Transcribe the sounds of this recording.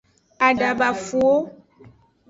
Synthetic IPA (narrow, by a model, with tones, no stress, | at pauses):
a˨ɖa˨ba˨fu˨o˦